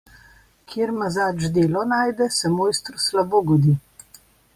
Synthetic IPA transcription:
kʰjeːɾmazaːd͡ʒd̪eːlɔnaːjd̪ɛsɛmoːjst̪ɾɔslaboːɡɔd̪iː

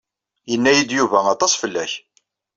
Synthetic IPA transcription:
jənːæjid̪juvæɑt̪ˤɑsˤfəlːæç

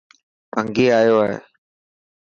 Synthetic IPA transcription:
pəŋɡeːaːjoːaːɦḛː

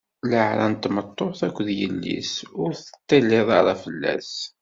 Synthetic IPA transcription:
ləʕɾæ̰nt̪ːmət̪ˤːoθækʷːðjəlːḭsʊɾθə̥t̪ːælːɪðˤɑɾˤɑfəlːæ̰s

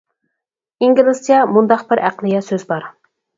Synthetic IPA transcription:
iŋɡʲlˠɨsijɑmund̪ɑq̚bɪɾʔæ̰qlˠɨjɛsøzbɑɾ

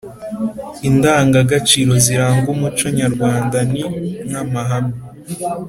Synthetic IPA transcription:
indaːŋɡaɡat͡ʃiːɾo̞ziɾaːŋɡumut͡ʃoɲaɾɡwaːndaniŋamaɦami

